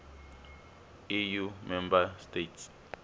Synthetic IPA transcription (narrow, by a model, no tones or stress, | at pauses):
ijumɛ̃mbastetʰs